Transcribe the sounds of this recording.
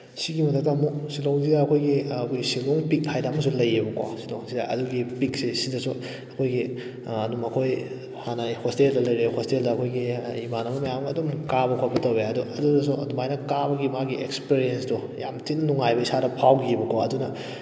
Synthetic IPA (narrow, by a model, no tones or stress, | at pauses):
siɡimɐtʰɐk̚tɐmuksiloŋzidɐːkʰojɡiɐkʰojsiloŋpik̚tʰajdɐːmɐs̬ulɐjebɐkwo̰siloŋzidɐʔɐ̰duɡipik̚sisidɐsu | ɐkʰojɡi | ɐnumɐkʰoj | hanajhosteldɐlɐjɾehosteldɐɐkʰojɡiimanɐmɐmɐjamɡɐɐdumkabɐkʰobɐtɐweɐduʔɐdudɐs̬uɐdumajnɐkabɐɡimaɡiʔekspiɾiensdu | ja̰mtinɐnuŋajbɐisadɐpʰawɡiebɐkʰoɐdunɐ